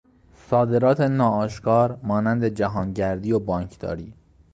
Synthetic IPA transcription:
sɒːd̪e̞ɾɒːt̪ʰenɒːɒːʃkʰɒːɾmɒːnænd̪e̞d͡ʒæɦɒːnɟæɾd̪iːjobɒːŋcʰd̪ɒ̰ːɾiː

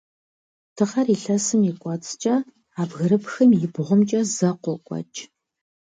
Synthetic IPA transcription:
tʰɨʁɐriɬɐsɨmɪkʷʼɑt͡sʼt͡ʃʼɐ | aːbɣɐɾɨpxɐmjɪbʁʷʊmt͡ʃʼɐzɐqʷɔkʷʼɑ̰t͡ʃʼ

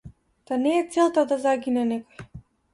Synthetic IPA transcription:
t̪anɛːt̪sɛlˠt̪ad̪azaɡʲinɛnɛkɔjɛ

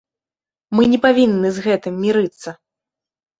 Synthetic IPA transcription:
mɨnʲɛpavʲinːɨzɣɛt̪ɨmːʲiɾɨt̪sːɐ

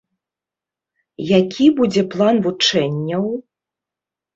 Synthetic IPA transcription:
jakʲʰibud͡zʲɛplˠanvut͡ʂɛnʲːɐw

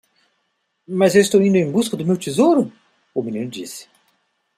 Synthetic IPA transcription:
mɐzewɪst̪owĩnd̪ʊẽj̃buskɐd̪ʊmewt͡ʃ̪izowɾʊ | uminĩnʊd͡ʒḭsɪ̥

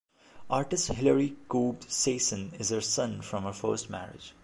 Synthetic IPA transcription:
ʔaːɾʈɪsʈhɪləɾikuːbseːsə̃nɪzəɾsʌ̃nfɾʌ̃mhəfə̰ːsʈmæ̰ɾɪ̰d͡ʒ

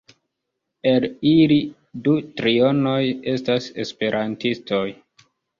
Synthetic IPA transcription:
elili | dutɾio̞no̞je̞stase̞̰spe̞ɾʔantisto̞j

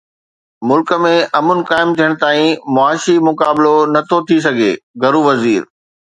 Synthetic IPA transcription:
mʊlkə̆mẽʔɐmʊnɪ̆kaːɪmt̪ʰijəɽ̃̆t̪aːĩmʊaːʃimʊkaːblonɐt̪ʰot̪ʰis̬ɐɡʱḛːɡʱɐɾuʋɐziːɾ

